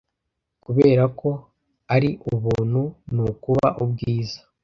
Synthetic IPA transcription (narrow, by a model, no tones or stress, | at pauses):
kuβeːɾako̞ | aɾiʔuβuːnhunukuβa̰ʔubɡiːzḁ